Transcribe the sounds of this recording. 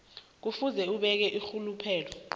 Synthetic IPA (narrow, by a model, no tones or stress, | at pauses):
k̬ufuzɛuɓɛk̬ɛʔixulupʰɛːlɔ